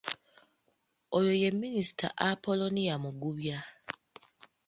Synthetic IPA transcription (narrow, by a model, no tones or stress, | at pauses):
ojo̞je̞mːinisi̥tʰa̰ʔapo̞lo̞nijamuɡuβja